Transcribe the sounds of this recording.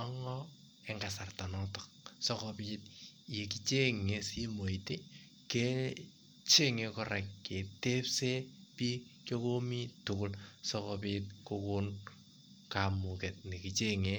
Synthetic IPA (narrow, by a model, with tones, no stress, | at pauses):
a˦ŋɔ | ɛ˦ŋɡa˨sa˨rta˨nɔ˦tɔ˨k̚sɔ˦kɔ˧pi˦t̚je˨ki˨t͡ʃe˦ŋe˦si˦mo˨i˨te˦ | ke˦ | t͡ʃe˦ŋe˧kɔ˦ɾa˨kke˨te˦pse˦pi˦kjo˦ko˦mi˦tʊ˨kʊ˦lsɔ˦kɔpit̚kokʊ˦n | ka˨mu˨kɛ˨t̚ni˨ki˨t͡ʃe˦ŋe